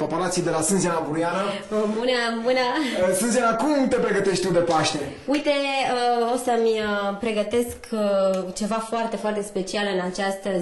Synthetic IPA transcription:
opaɾat̪sijd̪e̞lasɨnzianavuɾujana | munamɨnasɨnzianakumt̪e̞pɾe̞ɡət̪e̞ʃt̪̚ʲt̪ud̪e̞paʃt̪e̞ujt̪e̞əosəmʲəpɾe̞ɡət̪e̞skʰ | t͡ʃe̞vafoart̪e̞foart̪e̞spe̞t͡ʃialɨnat͡ʃast̪ə

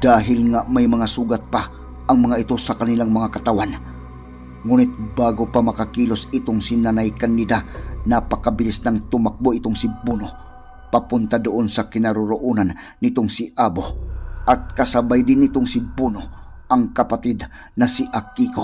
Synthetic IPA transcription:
d̪̥aːɦɪlŋamajmɐŋasuːɡat̪̚pa | ʔːŋmɐŋaɪt̪osakanilaŋmɐŋakat̪awan | ŋuːnɪt̪̚baːɡopamakakiːlosɪt̪oŋsinanajkanːɪd̪anapakabɪlisnaŋt̪ʊmak̚boʔɪt̪oŋsɪbuno | papʊnt̪ad̪ʊʔonsakɪnaɾʊɾʊʔunanː | ɪt̪oŋsiʔaboʔɐt̪̚kasabajd̪ɪnɪt̪oŋsɪbuno | ʔɐŋkapat̪id̪ | nɐsiʔakiko

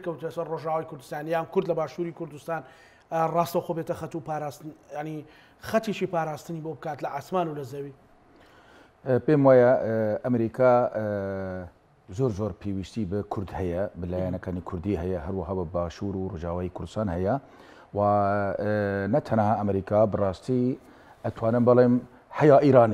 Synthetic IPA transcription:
kɐwt̪sɐɾroʒaːwaːjkʰʊɾd̪ɨst̪aːnjaːmkʊɾd̪lɐbaːʃuːɾikʰʊɾd̪ust̪aːn | rɑːst̪ɐwxobet̪ɐxɐt̪upaːɾaːst̪ɨnjaʕni | xɐt̪iʃiːpaːɾaːst̪ɨniːbobɨkaːt̪lɐʔaːsmaːnulɐzɐwiː | peːmwaːjɛʔɐmɾiːkʰa | zoːɾzoːɾpʰeːwiʃt̪iːbɨkʰʊɾd̪hɛjɛbɨlaːjanɛkaːniːkʰʊɾd̪iːɦɛjɛɦæɾwɐɦɑːbɨbaːʃuːɾuroːʒɑːwaːjikʰʊɾd̪ɨst̪ɑːnhɛjɛ | waː | nɛt̪ʰɛnhaːɐmɾiːkaːbɨrɑːst̪iː | ʔæt̪ʰwɑːnɨmbɨleːm | hɛjaːʔiːɾaːni

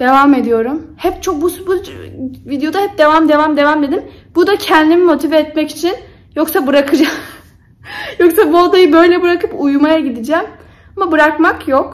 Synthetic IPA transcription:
d̪̥e̞vame̞d̪ijo̞ɾumhɛpt͡ʃʰok̚busbuvid̪ejo̞d̪ahɛp̚d̪e̞vamd̪e̞vamd̪e̞vamd̪ed̪imbud̪acʰɛnʲd̪imimo̞t̪ʰivɛt̪mɛci̥t͡ʃʰin | jo̞ksabɯɾakʰɯd͡ʒa | joksabuad̪ajɯbø̞jlʲɛbɯɾakɯpujumajaɟid̪id͡ʒɛm | amabɯɾakmakjok

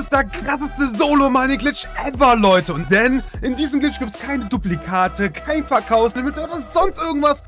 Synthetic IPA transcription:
ɪsd̥ɛːɐkʁatstəzoːlomaːniɡlɪt͡ʃʔɛvɐlɔʏtəʊnt̚d̥ɛnʔɪndiːzəm̩ɡlɪt͡ʃɡ̥iːp̚tskʰaɪnəduplikʰaːtʰəkʰaɪnfɛɐkʰaʊslɛmɪtodɐz̥ɔnstʔɪɐɡŋ̩tv̥as

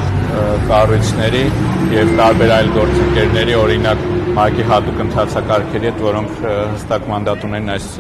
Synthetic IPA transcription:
kɑrut͡sʰnɛɾijɛvt̪ɑɾbɛɾɑjlɡɔɾt͡səŋkɛɾnɛɾiɔɾinɑkmɑkiɦɑt̪ukənt̪ʰɑt͡sʰɑkɑɾkʰɛɾiɦhɛt̪vɔɾɔŋkʰhəst̪ɑkmɑnd̪ɑt̪unɛnɑjs

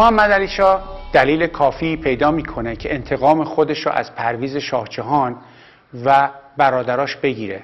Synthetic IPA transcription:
mɒmːæd̪æliːʃɒːd̪̥æliːle̞kʰɒːfiːpʰe̞jd̪ɒːmiːkʰo̞necʰe̞ʔent̪ʰe̞ɣɒːmexo̞d̪e̞ʃɾɔ̰ːʔæ̰z̥pʰæɾviːze̞ʃɒːht͡ʃʰeɦɒːn | væbæɾɒːd̪æɾɒːʃbe̞ɟiːɾe

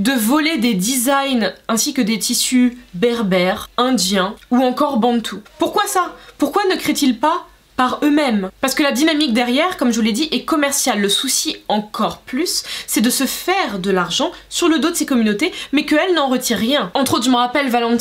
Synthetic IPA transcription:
d̪əvɔled̪ed̪izajnɛ̃sikəd̪et̪ʰisybɛʁbɛʁɛ̃d̪jɛ̃uɑ̃kɔʁbɑ̃t̪ʰupuʁkwasapuʁkwanəkχet̪ilpa | paʁømɛmpaʁsə̥kəlad̪inamik̚d̪ɛʁjɛʁkɔmʒəvuled̪iʔɛkɔmɛʁsjalːəsusiɑ̃kɔʁplysːɛd̪əsəfɛʁd̪əlaʁʒɑ̃syʁləd̪od̪əsekɔmynot̪emɛkəɛlnɑ̃ʁət̪iʁːjɛ̃ɑ̃t̪χot̪χʒəməʁapɛlvalɑ̃t̪

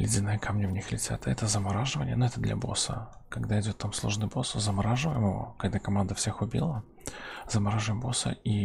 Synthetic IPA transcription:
lʲɪdʲɪnɨjəkamnʲəvnʲixlʲɪtʲa̰t̪ɛt̪əzəmɐɾaʐɨvənʲɪ̰ənʊɛt̪əd̪lʲʔɐ̰bo̞̰sə̰ | kɐɡd̪aɪdʲo̞t̪ːamslˠoʐnɨjbo̞sʊzəmɐɾaʐɨvəjɪməvə̰kɐɡd̪akɐmand̪əfsʲe̞xʊbʲḭlˠə | zəmɐɾaʐɨvɪmbo̞sə̰i

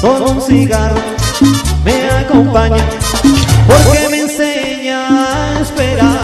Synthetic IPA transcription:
k̪onõnsiɣaɾ | meakompaɲa | poɾkemense | ɲaespeɾaɾ

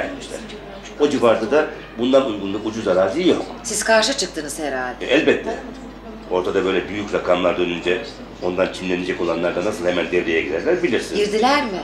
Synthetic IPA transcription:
ɛt̪miʃlʲæ̰ɾ | o̞d͡ʒivaɾd̪ˠɯd̪a | bund̪anujɡunˠuʔud͡ʒuzaɾaːzʲiːjoksiz̥kʰaɾʃɯt͡ʃʰɯk̚t̪ɯnɯzheɾalʲd̪ʔɛlʲbɛt̪ʰːɛ | o̞ɾt̪ʰad̪abø̞jlʲɛbyjycɾakʰamlˠaɾd̪ø̞nynd͡ʒɛ | o̞nd̪ant͡ʃʰinlʲe̞ned͡ʒɛco̞lˠanlˠaɾd̪anasɯlˠhemænd̪ɛvɾejɛɟid̪æɾlʲæɾbilʲiɾsiniɾd̪ilʲæɾmɪ

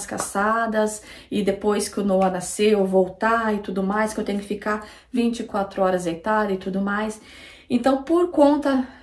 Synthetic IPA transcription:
ska̰sad̪ɐsɪd̪epojskɪʊnowɐnaseovowt̪aɪt̪ud̪ʊmajskewt̪ẽjɲʊkɪfika | vĩnt͡ʃɪkwat̪ɾʊɔɾɐzejt̪ad͡ʒɪt̪ud̪ʊmajs | ẽnt̪ɐ̃w̃poɾkõnt̪ɐ

